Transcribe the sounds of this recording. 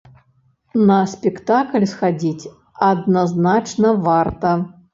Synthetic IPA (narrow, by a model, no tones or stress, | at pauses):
nɐsʲpʲɛkt̪aklʲsxad͡zʲit͡sʲ | ɐd̪naznat͡ʂnɐvart̪ɐ